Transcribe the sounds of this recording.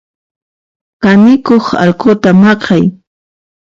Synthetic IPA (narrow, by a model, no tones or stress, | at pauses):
kanɪkoχɑ̰lqot̪amɑqʰɑj